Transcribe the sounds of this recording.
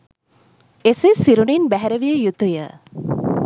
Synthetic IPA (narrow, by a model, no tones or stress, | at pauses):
esesiɾuninbæɦæɾəʋijəjut̪ujə